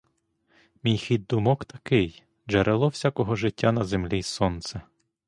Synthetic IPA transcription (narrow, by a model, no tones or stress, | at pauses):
mʲijxid̪̚d̪ʊmɔkt̪ɐkɪj | ʒeɾʔelˠɔwsʲakɔɦɔʒɪtʲːanɐzemlʲisɔnt̪sɛ